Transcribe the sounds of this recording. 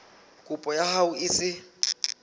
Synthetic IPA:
kʼupʼɔjahauɪsɪ

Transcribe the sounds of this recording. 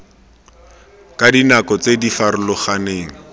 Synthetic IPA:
kadinakɔt͡sedifaɾʊlɔχaneːŋ̩

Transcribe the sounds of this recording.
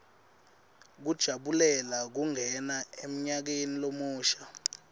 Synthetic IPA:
k̬ud̥ʒ̥ʱaɓulɛlak̬uŋɛnaem̩ɲak̬enilomuːʃḁ

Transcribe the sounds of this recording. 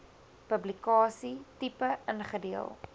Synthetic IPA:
pəblikɑːsitipəənχədiəlˠ

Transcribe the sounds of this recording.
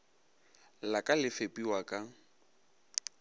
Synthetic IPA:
lakʼalɪfepʼiwakʼa

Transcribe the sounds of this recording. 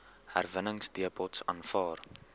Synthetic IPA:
hæ̰rvənəŋsdiəpʰɔtsɑːnfɑːr

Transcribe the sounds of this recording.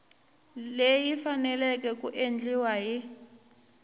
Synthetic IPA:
lejifanɛlɛk̬ʼɛk̬ʼuʔend͡ɮiwaɦi

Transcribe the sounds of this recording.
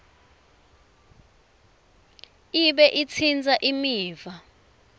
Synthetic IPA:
iɓɛʔit͡sʰind͡zʱaʔimiːva

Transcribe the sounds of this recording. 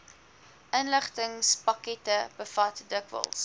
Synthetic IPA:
ʔənləχtəŋspɐkɛtəb̥əfɐtdəkvə̰lˠs

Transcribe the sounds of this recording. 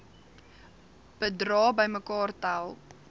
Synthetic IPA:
b̥ədrɑːbəjməkɑːrtalˠ

